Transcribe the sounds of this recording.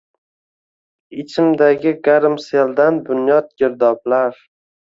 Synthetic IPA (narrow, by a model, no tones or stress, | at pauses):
ɪt͡ʃʰɪmd̪aɡʲɪɡaɾɪmsald̪anbʊnjɒd̪̚ɡʲɪɾd̪ɒblaɾ